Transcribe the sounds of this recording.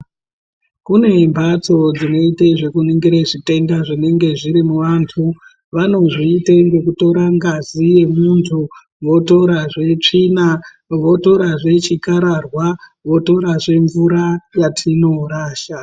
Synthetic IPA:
kune̞mbʱat͡so̞d͡zino̞iteʐe̞kuniŋɡiɾeʐite̞ŋɡaʐine̞ŋɡe̞ʐiɾimuʋaːntʰu | ʋano̞ʐiːteŋɡe̞k̬uto̞ɾaŋɡazije̞muntʰu | ʋo̞to̞ɾaʐe̞t͡ʂiːna | ʋo̞to̞ɾaʐe̞t͡ʃikaɾarwaʋo̞to̞ɾaʐe̞ɱvuɾajatʰino̞ɾaːʃa

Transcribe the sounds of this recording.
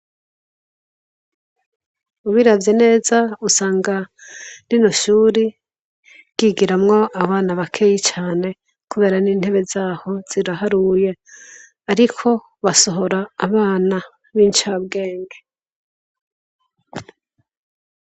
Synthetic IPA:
uβiɾavjene̞ːzausaːŋɡaninoʃuːɾi | ɡ̥iɡiɾamŋo̞ʔaβaːnaβakʰe̞jit͡ʃaːne̞ | kuβe̞ːɾaniːn̥he̞βe̞zaːho̞z̥iɾaɦaɾuje̞ | aɾikʰo̞ | βaso̞ɦo̞ɾaːβaːna | βiːnt͡ʃabɡe̞ːŋɡe

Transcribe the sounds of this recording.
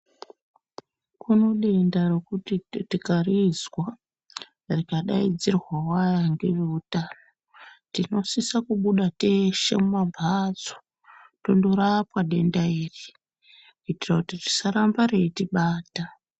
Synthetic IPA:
kuno̞ɗe̞ndare̞kutitikarizwa | rikaɗaid͡zirwawajaŋɡe̞ʐeutaːno | tino̞sisakuɓuɗate̞ʃḛmumabʱad͡zo | to̞ndo̞ɾapwaɗe̞ndaiːri | uitirakutiri̥saɾambaretiɓaːta

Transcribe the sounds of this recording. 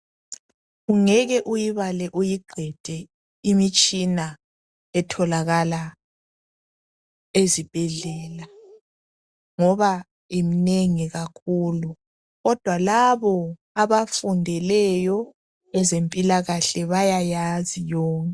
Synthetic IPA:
ɣuŋɛɣɛʔujiβalɛʔujiɡ͡ǃʱɛd̥ʱɛ | imit͡ʃʼina | ɛtʰɔlaɣala | ezib̥ʱɛɮɛːla | ŋɔβa | emineŋiɣakʰulu | ɣɔd̥ʱwalaβɔ | aβafundʱɛlɛjɔ | ɛzempʼilaɣaɬɛβajajazijɔːŋkʼɛ

